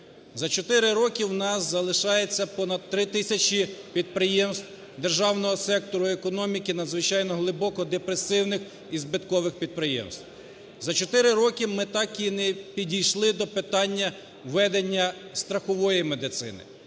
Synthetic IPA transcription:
zɐt͡ʃɔt̪ɪɾɪɾɔkʲiwnɑszɐlˠɪʃɑjet͡sʲːɐpɔnɐd̪̚t̪ɾɪt̪ɪsʲɐt͡ʃʲipʲid̪̚pɾɪjɛmst̪w | d̪erʒɑwnɔɦɔsɛk̚t̪ɔɾʊekɔnɔmʲikɪnɐd̪zʋɪt͡ʃɑjnɔɦlˠɪbɔkɔd̪epɾesɪwnɪx | izbɪt̪kɔʋɪxpʲid̪̚pɾɪjɛ̰mst̪w | zɐt͡ʃɔt̪ɪɾɪɾɔkʲimɪt̪ɑkʲinɛpʲidʲijʃlˠɪd̪ɔpɪt̪ɑnʲːɐ | ʋɛd̪enʲːɐst̪ɾɐxɔʋɔjimed̪ɪt̪sɪ̰nɪ̰

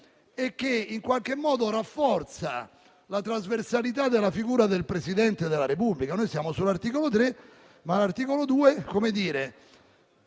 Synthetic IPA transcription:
ek̟ːeiŋkwalk̟emːɔːd̪oɾafːɔrt̪sa̰ | lat̪ɾazversalit̪ad̪elafiɡuːɾad̪elpɾesid̪ɛnt̪ed̪elaɾepublikanojsjaːmosulart̪iːkolot̪ɾe | malart̪iːkolod̪uːekomed̪iːɾe

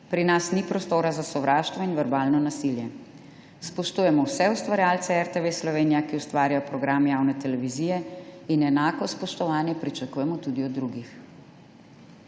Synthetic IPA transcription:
pɾinasnipɾɔst̪oːɾazasɔʋɾʔaːʃt̪ʋɔinʋɛɾbaːlnɔnasiljɛ | spɔʃt̪uːjɛmɔwsɛust̪ʋaɾjalt̪sɛɛɾt̪eʋeslɔʋeːnijakiust̪ʋaːɾijɔpɾɔɡɾamjawnɛt̪ɛlɛʋizijɛinɛnaːkɔspɔʃt̪ɔʋaːnjɛpɾit͡ʃakuːjɛmɔt̪ud̪iɔd̪ːɾuɡix

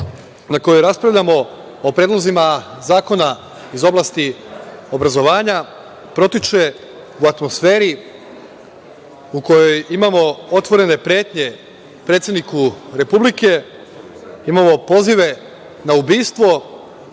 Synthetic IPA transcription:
nako̞joɾaspɾaʋʎamo̞ | opɾeːd̪lˠo̞zimazaːko̞na | izo̞blˠast̪iobɾazo̞ʋaːɲa | pɾo̞t̪it͡ʃe̞ | uat̪mo̞sfe̞ːɾi | uko̞jo̞jimamo̞ot̪ʋo̞ɾe̞ne̞pɾe̞ːt̪ɲe̞ | pɾet̪se̞d̪nikuɾe̞publike̞ | imamo̞po̞ziʋe̞ | naubiːst̪ʋo̞

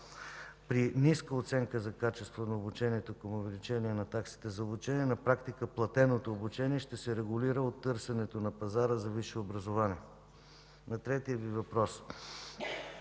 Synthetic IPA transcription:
pɾiniskəot̪sɛŋkəzɐkat͡ʃɛst̪vonɐobut͡ʃɛniɛt̪okəmʊvɛlit͡ʃɛniɛnɐt̪aksi̥t̪ɛzɐobut͡ʃɛniɛnɐpɾakt̪ikəplˠɐt̪ɛnot̪oːbut͡ʃɛniɛʃt̪ɛsɛɾɛɡʊliɾəot̪ːɤɾsɛnɛt̪onɐpɐzaɾəzɐviʃɛobɾɐzovaniɛ | nɐt̪ɾɛt̪ijəvivɐpɾɔs

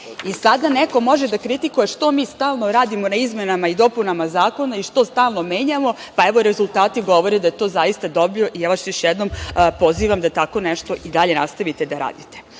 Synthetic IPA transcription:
isad̪aneko̞mo̞ʒed̪akɾit̪ikuje̞ʃt̪o̞miːst̪aːlˠno̞ɾaːd̪imo̞naizmenamaid̪o̞punamazaːko̞naiʃt̪o̞st̪aːlˠno̞me̞ːɲamo̞paeʋoɾe̞zulˠt̪aːt̪iɡo̞ʋo̞ɾed̪ajet̪o̞ːzajist̪ad̪o̞bijo̞ʔijaʋaʃjo̞ʃjed̪no̞mpo̞ziːʋamd̪at̪ako̞neʃt̪o̞ʔid̪aʎe̞nast̪aʋit̪ed̪aɾa̰ːd̪it̪e

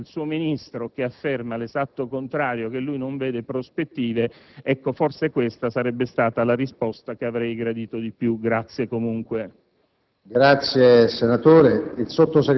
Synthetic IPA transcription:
lsuːominist̪ɾok̟eafːermalezat̪ːokont̪ɾaːɾjok̟elːujnoɱveːd̪epɾospet̪ːiːveɛkːoforsekwest̪asaɾɛbːest̪aːt̪alarispɔst̪ak̟eavɾɛjɡɾad̪iːt̪od̪ipjuɡɾat̪sːjekomuŋkwe | ɡɾat̪sjesenat̪oːɾeilsot̪ːose

